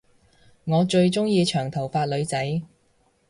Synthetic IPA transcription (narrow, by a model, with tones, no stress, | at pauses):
ŋɔː˨˧t͡ʃɵ˧ɥt͡sʊ˥ŋjiː˧t͡ʃʰœː˨˩ŋt̪ʰɐ˨˩wfaː˧t̚lɵ˨˧ɥt͡sɐ˨˥j